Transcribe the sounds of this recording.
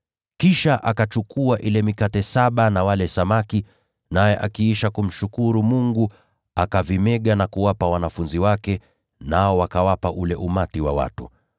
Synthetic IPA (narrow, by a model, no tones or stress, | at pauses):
kiʃaʔakat͡ʃukʰuaʔilɛmikatɛsaɓanawalɛsamaki | najɛʔakiiʃakum̩ʃukuɾumuŋɡu | akavimɛɠanakuwapawanafunziwakɛ | naɔwakawapaʔulɛʔumatiwa̰wa̰tu